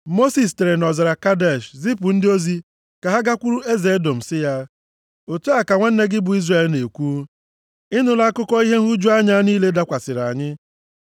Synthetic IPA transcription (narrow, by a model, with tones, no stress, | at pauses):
mo˦si˨s̬te˨ɾe˨nɔ˨za˨ɾa˨ka˦de˦˨ʃzi˦pʊ˨n̩˦dɪ˦o˦zi˦ | ka˨ɦa˦ɡa˦kʷu˦ɾu˦e˦ze˨e˦do˨m̩˨sɪ˦ja˦ | o˨tu˦a˨ka˨ŋʷa˦n̩˦ne˦ɡɪ˦bʊ˨i˦zre˦˨lne˨kʷu˦ | ɪ˦nʊ˦la˦kʊ˦kɔ˦i˦ɦe˦ɦu˦d͡ʒu˦a˦ɲa˦niː˦le˦da˦kʷa˨sɪ˨ɾa˨ɲɪ˦